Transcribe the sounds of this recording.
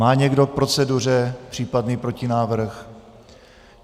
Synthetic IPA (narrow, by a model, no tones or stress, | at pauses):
aːɲɛɡdo̞k̚pɾo̞t͡sɛdurɛpr̝̥iːpadniːpɾo̞cɪnaːvr̩x